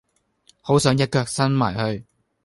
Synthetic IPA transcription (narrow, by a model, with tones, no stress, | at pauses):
ho˨˥wsœː˨˥ŋjɐ˥t̚kœː˧k̚sɐ˥nma̰ː˨˩jhɵ˧ɥ